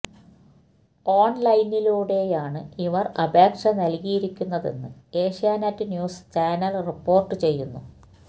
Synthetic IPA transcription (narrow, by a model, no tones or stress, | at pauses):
oːɳlɐjnːiluːɽe̞jaːɳɨiʋɐrɐbʱeːkʂɐnɐlkijiɾikʲːunːɐðe̞̰nːɨeːʂjaːnaːtːɨnjuːst͡ɕaːnɐlripːo̞ːrʈːɨt͡ɕe̞jːunːu